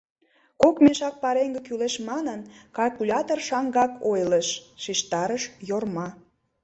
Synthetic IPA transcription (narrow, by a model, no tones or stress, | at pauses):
kokmeʃɑk̚pɑɾeŋɡekyleʃmɑnənkɑlkulʲɑt̪orʃɑŋɡɑkojleʃʃiʃt̪ɑɾəʃjormɑ